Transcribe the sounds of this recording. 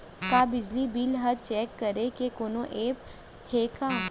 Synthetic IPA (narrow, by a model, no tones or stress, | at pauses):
kabɪd͡ʒlibiːlɦɐt͡ʃɛːkːəɾekekoːnõʔeːp | heːka